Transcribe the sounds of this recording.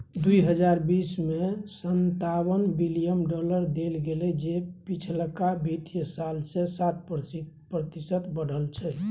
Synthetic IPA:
d̪uiɦəd͡ʒaɾbismesənt̪awənbilijəmɖɔləɾd̪elɡelɛd͡ʒepit͡ʃʰlkabʱit̪jəsalsẽsat̪̚p | pɾət̪isət̪bəɽ̤əlt͡ʃʰɛ

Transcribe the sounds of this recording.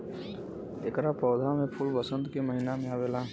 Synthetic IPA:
ekɾapɔːd̪ʱamẽpʰʊlbəsə̃nd̪keməɦinamẽaʋela

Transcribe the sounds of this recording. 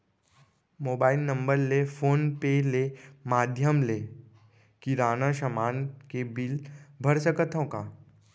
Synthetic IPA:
moːbaːɪlnə̃mbəɾlefoːnpeleːmaːd̪ʱjəmleː | kiɾaːnaʃəmaːnkebɪlbʱɐɾsəkət̪ʰõkaː

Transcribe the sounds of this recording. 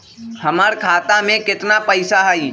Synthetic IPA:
həməɾkʰaːt̪amẽkɪt̪napəɪsaɦəi

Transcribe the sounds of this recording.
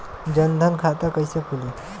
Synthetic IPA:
d͡ʒənd̪ʱənkʰat̪akəjsekʰuli

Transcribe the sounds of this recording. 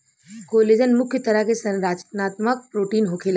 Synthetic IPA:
koːleːd͡ʒənmʊkʰjət̪ɐɾəkesɐɾaːt͡ʃnaːt̪mək̚pɾoːʈiːnɦokʰeːla

